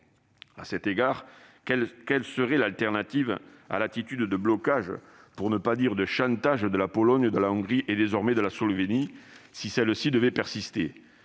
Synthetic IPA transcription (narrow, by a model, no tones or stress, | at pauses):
a̰sɛt̪eɡaʁ | ɛkɛlsəʁɛlalt̪ɛʁnat̪iva̰lat̪it̪yd̪d̪əblɔkaʒə | puʁnəpad̪iʁd̪əʃɑ̃t̪aʒd̪əlapɔlɔɲd̪əlaɔ̃ŋɡʁiʔed̪ezɔʁmɛd̪əlasɔlvenisisɛlsid̪əvɛpɛʁsist̪e